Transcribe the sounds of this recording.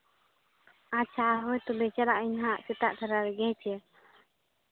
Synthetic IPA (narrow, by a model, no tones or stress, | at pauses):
at͡ʃʰaɦɔjt̪ɔbɛt͡ʃalaʔiɲɦaʔsɛt̪aʔt̪ʰaɾaɾɛɡɛt͡ʃɛ